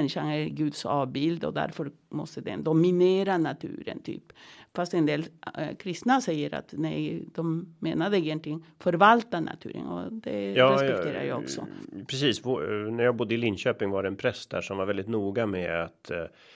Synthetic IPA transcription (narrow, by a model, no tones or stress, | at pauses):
ɛnːɪʂanæɾɡʉ̟ːd̪sɑːvbɪld̪ɔ̰d̪æ̰ɾfœɾ | mɔst̪əd̪ɛnd̪ɔmɪneːɾanat̪ʰʉ̟̰ːɾə̰nt̪ʰy̰ːpfast̪ɛnd̪eːlkʰɾɪst̪nasɛjːəɾa̰t̪næd̪̥ɔmːeːnad̪əɪjɛnt̪lɪəŋfœɾvalt̪ana̰t̪ʰʉ̟ːɾə̰nɔ̰d̪ɛjɑːɾɛspɛkt̪ʰeːɾa̰jɑɔksɔ̰pʰɾɛsiːsvnæɾjaːɡbʊd̪ːəɪlɪnɕøːpɪŋvaɾɛɛnpʰɾɛst̪d̪æ̰ːʂɔmvaɾvɛld̪ɪt̪nuːɡamɛat̪